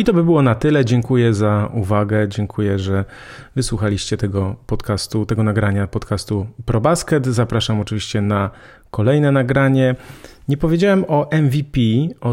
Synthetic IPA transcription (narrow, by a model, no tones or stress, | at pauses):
it̪ɔbɘbɘwɔnat̪ɘlɛd͡ʑɛŋkujɛzauvaɡɛd͡ʑɛŋkʰujɛʐɛ | vɘswuxalʲiɕt͡ɕɛt̪ɛɡɔpɔt̪kast̪ut̪ɛɡɔnaɡɾaɲapɔt̪kʰast̪upɾɔbaskɛt̪zapɾaʂamɔt͡ʂɘvʲiɕt͡ɕɛna | kɔlɛjnɛnaɡɾaɲɛɲɛpɔvʲjed͡ʑawɛmɔʔɛnvʲipʲiɔ